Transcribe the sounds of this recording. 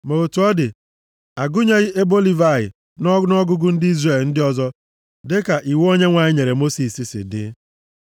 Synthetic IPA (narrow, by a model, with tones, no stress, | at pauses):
mo˨o˨tu˨˦ɔ˦dɪ˨ | a˨ɡʊ˦ɲe˦ɣɪ˦ʔe˦bo˦li˦va˦˨ɣɪ̰˨ | nɔ˦nɔ˦ɡʊ˦ɡʊ˦n̩˦dɪ˦i˦zre˦˨ln̩˦dɪ˦ɔ˦zɔ˦ | dɪ˦ka˨ʔi˨wo˦ɲe˦ŋʷa˨ɲɪ˦ɲe˨ɾe˨mo˦si˨si˨sɪ̰˨dɪ̰˦